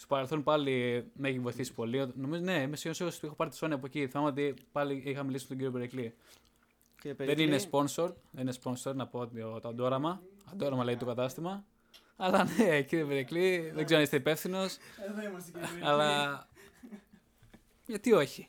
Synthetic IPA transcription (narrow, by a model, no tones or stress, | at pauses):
st̪opɐɾelθo̞npɐlimeçivo̞jθisi̥po̞liot̪no̞mizone̞imesiosiosixopɐɾit̪i̥so̞niɐpoeciθimɐmɐot̪ipɐliixɐmilisimt̪oɟiɾio̞peɾekli | ðeninespo̞nsoɾðeninespo̞nso̞ɾnɐpoot̪iot̪oɐnd̪o̞ɾɐmɐɐd̪o̞ɾɐmɐlɐit̪okɐt̪ɐst̪imɐ | ɐlɐneciɾiopeɾekliðeɡzeonist̪eipe̞fθino̞sɐɐlɐ | ʝɐt̪io̞çi